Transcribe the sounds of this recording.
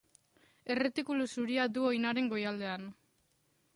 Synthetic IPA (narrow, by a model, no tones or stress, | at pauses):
e̞re̞t̪ikulusuɾiad̪uo̞jnaɾe̞ŋɡo̞jald̪e̞an